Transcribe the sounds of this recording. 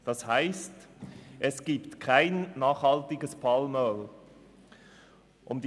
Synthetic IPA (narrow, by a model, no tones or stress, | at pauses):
d̥ɑshaɪstʔɛsɡ̥iːptkʰaɪnːɑːχhɑltɪɡəspʰɑːlmœːl | ʔʊmd